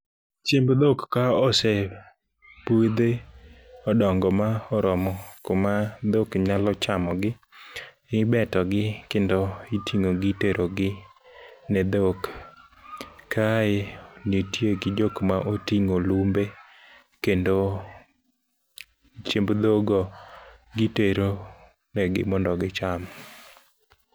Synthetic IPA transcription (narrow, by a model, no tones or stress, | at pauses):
t͡ʃembd̪okkaɔsɛ | pued̪e | ɔdɔŋɡɔmaɔɾɔmɔkomad̪okɲalɔt͡ʃamɔɡɪ | ɪbɛtɔɡɪkendoitʰiŋoɡɪteɾʔoɡɪ | nɛd̪ok | aenetjeɡɪd͡ʒokmaʔotiŋolumbe | kendo | t͡ʃembd̪oɡɔɡɪteɾo | nɛɡɪ̰mɔndɔɡɪt͡ʃamɔ